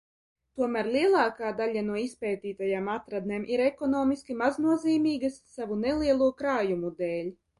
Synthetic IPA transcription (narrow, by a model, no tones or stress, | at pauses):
t̪uɔmæːɾlˠiɛlˠɑːkaːd̪aʎʲanuɔispɛːt̪iːt̪ajaːmat̪ɾad̪̚neːmʔiɾɛkɔnɔːmiskʲimaznuɔziːmiːɡasːavunɛlˠiɛlˠuɔkɾaːjumud̪ɛːlʲ